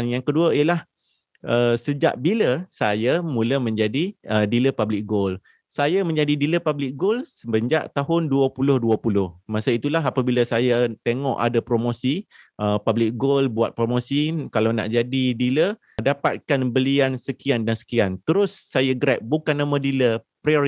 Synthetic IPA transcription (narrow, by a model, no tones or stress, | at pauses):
njaŋkəduaiəlah | ʔəsəd͡ʒa̰ʔbiləsajamũləmə̃ɲd͡ʒadiədiləpablɪk̚ɡol | sajamə̃ɲd͡ʒadidiləpablɪk̚ɡolsəbəɲd͡ʒaʔt̪aɦʊnduəpulʊhduəpulʊhmasait̪ulaɦapabilasajat̪eŋɔ̰ʔa̰dapɾomosiʔəpablɪk̚ɡolbuat̪̚pɾomosikalawna̰ʔd͡ʒadidilə | dapa̰t̪̚kanbəliansəkiandansə̥kiant̪əɾʊsːajaɡɾɛp̚bukanːamədilə | pɾaoi